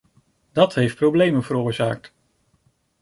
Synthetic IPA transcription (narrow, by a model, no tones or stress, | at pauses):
dɑtɦejft̚prowblejmənvəɾʊːɹza̰ːk̚t